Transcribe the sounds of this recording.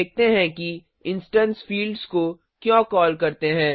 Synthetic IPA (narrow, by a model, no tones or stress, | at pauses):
eːk̚t̪eɦɛ̃ki | ɪ̃nsʈə̃nsfiːlɖzko | kjõːkɔːlkɐɾt̪eɦɛ̃ː